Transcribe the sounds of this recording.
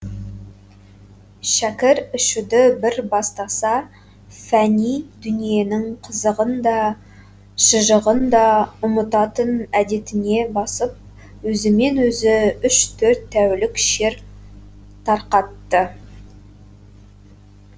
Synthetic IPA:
ʃækʲɪɾʏʃud̪ɪbɪɾbɑst̪ɑsɑ | fænijd̪ʏnije̞nɪŋqʰəzəʁənd̪ɑ | ʃəʒəʁənd̪ɑʊmət̪ɑt̪ənæd̪e̞t̪ɪne̞bɑsəp̚ | wɵzɪme̞nwɵzɪʏʃt̪ʰɵɾt̪ʰːæwlɪkʃeɾ | t̪ʰɑɾqɑt̪ːə

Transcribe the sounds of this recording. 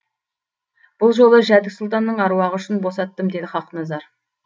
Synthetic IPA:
b̥ʊlˠʒo̞lˠəʒæd̪ɪksʊlˠt̪ɑnːəɴɑɾuɑʁəʏʃɪnbo̞sɑt̪ːəmd̪e̞jd̪ɪχɑqnɑzɑɾ

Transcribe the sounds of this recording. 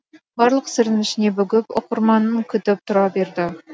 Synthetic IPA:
bɑɾlˠəqsɪɾɪnnɪʃɪne̞bʏɡʲɪpo̰qʊɾmɑnːəŋkʲʰʏt̪ɪp̚t̪ʰʊɾɑbe̞ɾd̪ɪ

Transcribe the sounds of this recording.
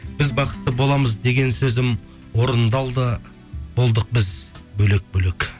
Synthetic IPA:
bɪzbɑqə̥t̪ːəbo̞lˠɑməzd̪e̞ɡʲe̞nsɵzɪm | wo̞ɾənd̪ɑlˠd̪ə | bolˠd̪əq̚bɪzbɵle̞k̚bɵle̞k

